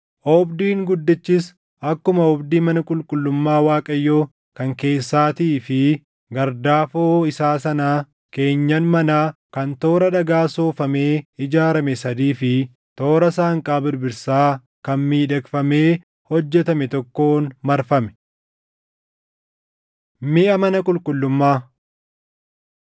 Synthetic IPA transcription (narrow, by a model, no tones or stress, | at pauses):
ʔɔbd̪iːŋɡʊd̪ːɪt͡ʃːɪs | ɐkːʊmɐɔbd̪iːmɐnɐkʼʊlkʼʊlːʊmːaːwaːkʼɐjːoː | kɐŋke̞ːsːaːt̪iːfɪ | ɡɐɾd̪aːfoːɪsaːsɐnaː | ke̞ːɲːɐnmɐnaːkɐnt̪o̞ːɾɐᶑɐɡaːsoːfɐme̞ːɪd͡ʒaːɾɐmɛsɐd̪iːfɪ | t̪o̞ːɾɐsaːŋkʼaːbɪɾbɪɾsaː | kɐnmiːᶑɐkfɐme̞ː | hɔd͡ʒːɛt̪ɐmɛt̪ɔkːoːnmɐɾfɐmɛ̥ | mɪʔɐmɐnɐkʼʊlkʼʊlːʊmːaː